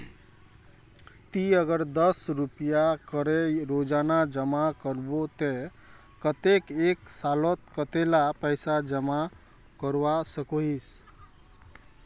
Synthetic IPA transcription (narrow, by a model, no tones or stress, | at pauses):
t̪iəɡəɾd̪əsɾupijakəɾeɾod͡ʒanad͡ʒəmakəɾbot̪e | kət̪ekeksalɔt̪̚kət̪elapəjsad͡ʒəma | kəɾwasəkois